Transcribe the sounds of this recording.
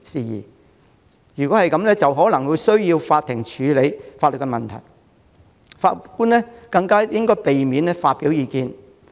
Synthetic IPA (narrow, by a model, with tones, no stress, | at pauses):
siː˨jḭː˨˩ | jyː˨kɔ˨˥hɐ˨jkɐ˨˥mlɛː˥t͡sɐ˨wɦɔː˨˥lɐ˨˩ŋwu˨˧jsɵ˥ɥjiː˧wfaː˧t̪̚ʰːɪ˨˩ŋt͡ʃʰyː˨˧le˨˧jfaː˧tlɵ˨t̚kːɛ˧mɐ˨nt̪ʰɐ̰˨˩j | faː˧kuː˥nɛː˥kɐ˧ŋkaː˥jɪ˥ŋkɔː˥jpe˨jmiː˨˥nɛː˥faː˧t̚piː˨˥wjiː˨˧kiː˧n